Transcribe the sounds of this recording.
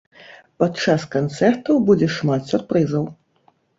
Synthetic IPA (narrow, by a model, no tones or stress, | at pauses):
patt͡ʂaskant̪sɛrt̪ɐwbud͡zʲɛʂmat̪sʲurpɾɨzɐw